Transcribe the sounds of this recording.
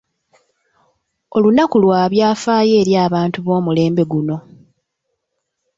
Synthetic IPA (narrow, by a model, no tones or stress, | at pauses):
olunakulwaːβjaːfaːje̞ːɾjaːβaːntuβo̞ːmule̞ːmbe̞ɡuno̞